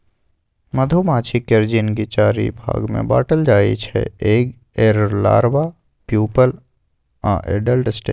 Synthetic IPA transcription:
məd̪ʱumaːt͡ʃʰikəɾd͡ʒinɡit͡ʃaːɾḭbʱa̰ːɡmḛ̃ba̰ːʈəld͡ʒaːḭt͡ʃʰɛ̰eːɡ | eːɾɾla̰ːɾʋaː | pjuːpəl | ã̰ʔḛːɖəlʈsʈe

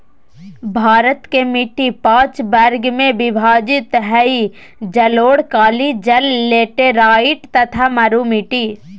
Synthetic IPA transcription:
bʱaːɾət̪kemɪʈːipãːt͡ʃbɐɾɡmẽbɪbʱaːd͡ʒɪt̪ɦɛi | d͡ʒɐloːɽkaːlid͡ʒɐlːeːʈeɾaːɪʈt̪ɐt̪ʰamɐɾumɪʈiː

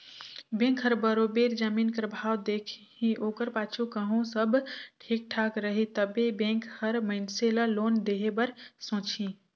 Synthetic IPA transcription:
bẽkɦəɾbəɾobeɾd͡ʒəminkəɾbʱawd̪ekʰ | ĩʔoːkəɾpat͡ʃʰukəɦõsəbʈʰik̚ʈʰakɾəɦit̪əbebẽŋkhəɾməɪnseləlond̪eɦebəɾsõt͡ʃʰĩ

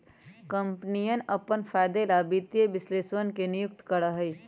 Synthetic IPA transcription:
kə̃mpnijənɐpənfʰaːɪd̪elabit̪jebɪsleːswənkenɪjʊk̚t̪kəɾaɦɛi

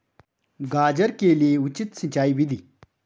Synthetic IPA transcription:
ɡaːd͡ʑɐɾkeːlieut͡ɕit̪sĩt͡ɕaːibid̪i

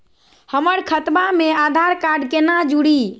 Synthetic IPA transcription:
həməɾkʰət̪bamead̪ʱaɾkaɾɖkenad͡ʒuɽi

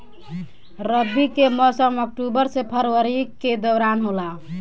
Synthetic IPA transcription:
ɾəbikemɔsəmək̚ʈubəɾsepʰəɾwəɾiked̪əwɾanɦola

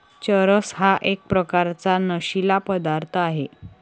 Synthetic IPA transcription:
t͡ɕəɾəsɦaʔek̚pɾəkaɾt͡sanəɕilapəd̪aɾt̪ʰəaɦe

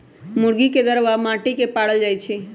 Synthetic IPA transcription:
muɾɡiked̪əɾʋamãʈikepaɽəld͡ʒajt͡ʃʰɛ

